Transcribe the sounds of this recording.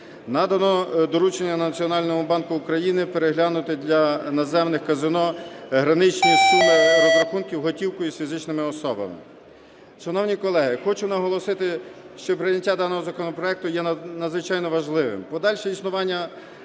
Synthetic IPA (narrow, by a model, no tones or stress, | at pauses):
nɑd̪ɐnɔd̪ɔɾut͡ʃenʲːɐnɐt͡sʲiɔnɑlʲnɔmʊbɑnkʊːkɾɐjinɪpeɾeɦlʲanʊt̪ɪd̪ʲlʲɐnɐzɛwnɪxkɐzɪnɔɦɾɐnɪt͡ʃnʲisulɪɾɐxunkʲiwɦɔtʲiwkʊjisfʲizɪt͡ʃnɪmɪɔsɔbɐ̰mɪ̰ | ʃɐnɔwnʲikɔlˠɛɦɪxɔt͡ʃʊnɐɦɔlˠɔsɪt̪ɪʃt͡ʃɔpɾɪjnʲɐtʲːad̪ɑnɔɦɔzɐkɔnɔpɾɔɛk̚t̪ʊjɛnɐd̪zʋɪt͡ʃɑjnɔʋɐʒlˠɪʋɪ̰mpɔd̪ɑlʲʃɛisnʊʋɑnʲːɐ